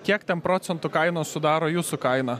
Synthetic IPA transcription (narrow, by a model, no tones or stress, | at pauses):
kʲiɛkt̪ʲɛnpɾoːt̪sʲɛnt̪ʊkɐɪnoːssʊd̪ɑːɾoːjuːsʊkɐɪnɐ